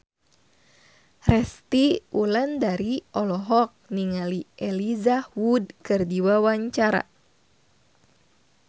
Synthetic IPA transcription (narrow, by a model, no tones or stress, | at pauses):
rɛst̪iulandaɾiʔɔlɔɦɔk̚niŋaliʔɛlizawud̚kɨrdiwawaɲt͡ʃaɾa̰